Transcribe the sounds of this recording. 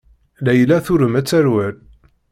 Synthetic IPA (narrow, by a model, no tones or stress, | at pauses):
læjlæθʊɾəmæt͡sːæɾwæl